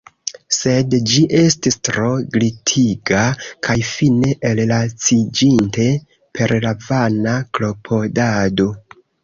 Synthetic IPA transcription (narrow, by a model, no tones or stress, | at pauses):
se̞dd͡ʒiʔe̞stistɾo̞ɡlitʰiɡakʰajfine̞ʔellat͡sid͡ʒinte̞ | pʰe̞ɾlavanaklo̞pʰo̞dado̞